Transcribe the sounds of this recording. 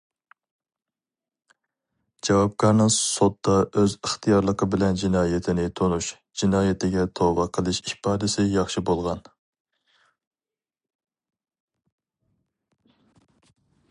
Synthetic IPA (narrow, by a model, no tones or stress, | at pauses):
d͡ʒɑwɑp̚kʲʰɑɾnɨŋsot̪̚d̪ɑʔøzəχt̪ʰijɑɾlˠəqʰəbɪlɛnd͡ʒinɑːjɪt̪ʰɪnɪt̪ʰonuʃ | d͡ʒinɑːjɪt̪ʰɪɡʲɛt̪ʰobɑqʰəlˠɨʃiʃpɑːd̪ɪsɪjɑχʃɪbolˠʁɑn